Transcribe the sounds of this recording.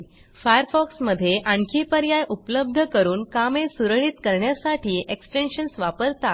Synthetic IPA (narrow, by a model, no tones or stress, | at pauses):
fajəɾfɔksməd̪ʱːjeʔaɳkʰiːpəɾjajupləb̚d̪ʱəkəɾuːnkamesuɾɭiːt̪kəɾɳjasaʈʰiːʔeksʈenɕənsʋapəɾt̪at̪